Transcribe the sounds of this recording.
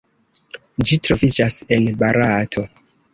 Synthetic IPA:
d͡ʒitɾo̞vid͡ʒase̞nbaɾʔatʰo̞

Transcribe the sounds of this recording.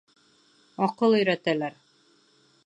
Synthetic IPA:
ɒqɤlˠɵ̆jɾæt̪ælæɾ

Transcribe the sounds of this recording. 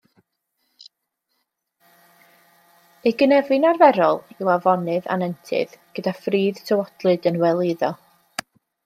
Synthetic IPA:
eɡənɛvɨnarvɛɾɔlˠɪwavɔnɨða̰nɛntʰɨ̰ðɡ̥ədafriːð̥tʰəwɔd̥lˠɨdənwɛlˠɪðɔ

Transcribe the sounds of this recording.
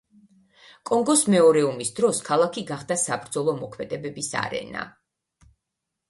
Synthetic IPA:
kʼɔŋɡɔsmɛɔɾɛumisd̪ɾɔskʰalˠakʰiɡaχd̪asabɾd̪zɔlˠɔmɔkʰmɛd̪ɛbɛbisa̰ɾɛ̰na̰

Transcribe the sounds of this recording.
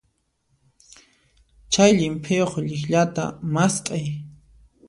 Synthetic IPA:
t͡ʃajʎɪmpʰejoχʎɪχʎat̪a̰mast̪ʼaj

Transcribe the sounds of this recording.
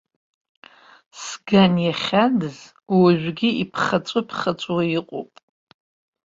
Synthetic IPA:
sɡanjaχʲadɨz | waʒᶣʷɡʲiipʰχat͡sʷʼʊpʰχat͡sʷʼwajɪqʷʼo̰pʼ

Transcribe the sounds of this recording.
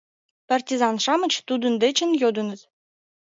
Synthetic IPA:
pɑrʲtʲizɑnʂɑmɤ̆t͡ɕt̪ud̪ŭnd̪et͡ɕɘ̆njod̪ɤ̆nɤ̆t̪

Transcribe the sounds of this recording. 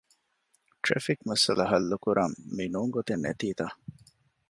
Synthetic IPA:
ʈɾḛfikmɐsɐlɐɦɐlːukuɾʔɐmːinuːŋɡot̪enːḛt̪iːt̪a

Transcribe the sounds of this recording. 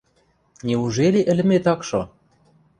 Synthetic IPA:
nʲeuʒelʲeʔə̆lɘ̆met̪ɑkʃo

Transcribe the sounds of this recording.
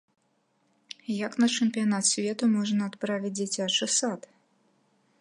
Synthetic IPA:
jɐknɐt͡ʂɨmpʲijanat̪sʲvʲɛt̪umɔʐnɐːt̪pɾavʲit͡sʲd͡zʲit͡sʲat͡ʂɨsat̪

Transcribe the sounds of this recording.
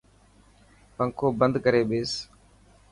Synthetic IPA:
pəŋkʰoːbənd̪kəɾeːɓeːs

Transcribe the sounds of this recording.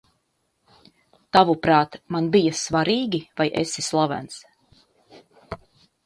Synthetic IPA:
t̪avupɾaːt̪manbijasvaɾiːɡʲivajʔḛsislˠavæ̰ns

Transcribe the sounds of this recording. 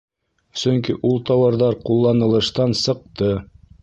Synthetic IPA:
sɵŋkiʔulˠt̪ɑwɑɾðɑɾqulˠːɑnɤ̆lˠɤ̆ʃt̪ɑnsɤ̆q̚t̪ɤ

